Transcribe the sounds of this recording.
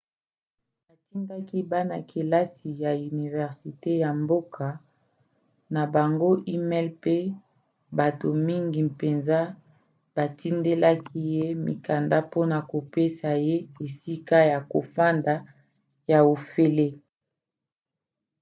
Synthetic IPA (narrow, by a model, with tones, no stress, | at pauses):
ba˨ti˦nda˦ki˦ba˦na˨kʰe˨la˦si˨ja˨y˨ni˨vɛ˨ʁsi˨te˦ja˨mbo˦kʰa˨ | na˨ba˨ŋɡo˦ʔi˦mɛ˦lpe˦ | ba˨to˨mi˦ŋɡi˨pe˨nza˦ | b̥a˨ti˦nde˦la˦kʰi˦je˦mḭ˨ka˨nda˦po˦na˨ko˨pe˦sa˨je˦e˨si˦ka˦ja˨ko˨fa˦nda˨ | ja˨o˨fe˦le˦